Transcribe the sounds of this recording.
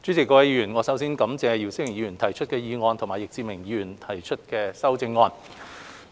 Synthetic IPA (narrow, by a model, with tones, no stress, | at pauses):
t͡ʃyː˨˥t͡sɪ˨kːɔː˧˩ji˧˥ɥyː˨˩nŋɔː˨˧sɐ˨˥wsiː˥nkɐ˨˧˥mt͡sɛː˧jiː˨˧wsɪ˥ŋmɪ˨˩ŋiː˧yː˨˩nt̪ʰɐ˨˩jt͡ʃʰɵ˥t̚kɛː˧jiː˧ŋɔː˧nt̪ʰmaː˨jɪ˨k̚t͡siː˧mɪ˨˩ŋjiː˧ɥyː˨˩nt̪ʰɐ˨˩jt͡ʃʰt̚kɛː˧sɐ˥wt͡sɪ˧ŋːɔː˧n